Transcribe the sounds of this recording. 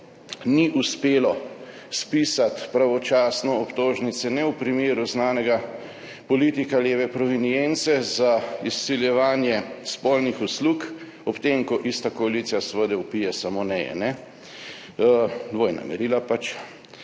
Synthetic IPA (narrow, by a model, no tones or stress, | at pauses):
niʔuspeːlɔ | spiːsat̪pɾaʋɔt͡ʃaːsnɔɔpt̪oːʒnit̪sɛnɛwpɾimeːɾuznaːnɛɡa | pɔliːt̪ikaljeːʋɛpɾɔʋinijɛnt̪sɛzaisːiljɛʋaːnjɛspɔlnixusluk | ɔpt̪emkɔʔist̪akɔalit̪sijasʋəd̪ɛupijɛsamonɛjɛ̰nɛ | d̪ʋoːjna̰mɛ̰ɾilapat͡ʃ